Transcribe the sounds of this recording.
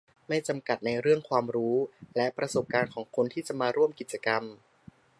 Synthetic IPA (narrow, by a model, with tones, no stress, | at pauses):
ma˥˩jt͡ɕa˧mka˨˩t̪̚na˧jɾɯ˥˩əŋkʰwaː˧mɾuː˦˥lɛ˦˥ʔpɾa˧so˨˩p̚kaː˧nkʰɔː˩˦ŋkʰo˧nt̪ʰiː˥˩t͡ɕa˨˩ʔmaː˧ɾu˥˩əmki˨˩t̪̚t͡ɕa˧ka˧m